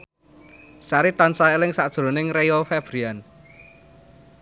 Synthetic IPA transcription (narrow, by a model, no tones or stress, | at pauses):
saɾit̪ansaelɪŋsad̥ʒ̥ɾo̤nɪŋrejɔfɛb̥ɾian